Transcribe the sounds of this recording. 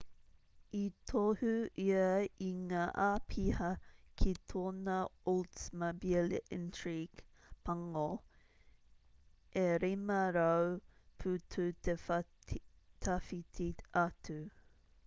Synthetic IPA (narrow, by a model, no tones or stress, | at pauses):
it̪ʰohʉiɐiŋaːʔapʰihɐkʰit̪ʰoːnɐoltmabileʔɪntʰɹiɡ̥ | pʰɐŋo | ʔeɾimɐɾɐwpʰʉtʰʉtʰe | t̪ʰafitʰiatʉ